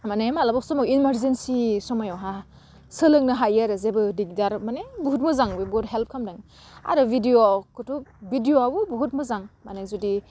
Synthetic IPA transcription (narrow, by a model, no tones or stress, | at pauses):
manemalabɔksɔmawinmaɾzensisɔmajɔwɦa | sɯlɯŋnɯɦajaɾɯzebɯdiɡdaɾmanebuɦut̚mɯzaŋbɯbɔɾɦelp̚kʰamdaŋ | a̰ɾɯbidiokɯtʰubidioabubuɦut̚mɯzaŋmanazudi